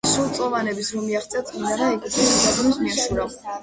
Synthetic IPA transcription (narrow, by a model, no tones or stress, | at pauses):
sulˠt̪sʼɔvanɛbisɾɔmiaχt̪sʰʼɛat̪sʼminaɾaɛkit̪ʰɛsaad̪ɔmismiaʃuɾa